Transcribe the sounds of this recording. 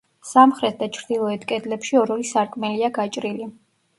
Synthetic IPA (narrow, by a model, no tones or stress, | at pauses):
samχɾɛt̪̚d̪at͡ʃʰɾd̪ilˠɔɛt̪ʰkʼɛd̪lɛpʃiɔɾɔlisaɾkʼmɛliaɡat͡ʃʼɾili